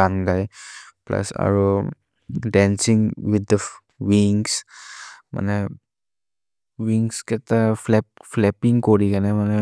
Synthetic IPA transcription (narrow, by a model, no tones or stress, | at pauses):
aŋɡajpla̰sa̰ɹo | dansiŋwɪd̪ə | wiŋs | ma̰nə | wiŋskɛt̪aflɛp̚flɛpɪŋkoɾikanəmanə